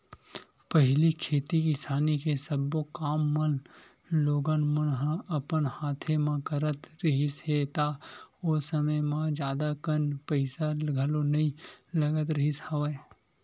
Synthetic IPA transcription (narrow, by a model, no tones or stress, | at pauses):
pəɦlikʰeːt̪ikisʰaːnikesəbokaːmːən | loːɡənmənɦɐpənhaːt̪ʰemãkəɾət̪ɾəɦisɦet̪aoːsəməjmãd͡ʒjaːd̪akənpəɪsalɡʱəlonɐĩlɐɡət̪ɾəɦishɐʋe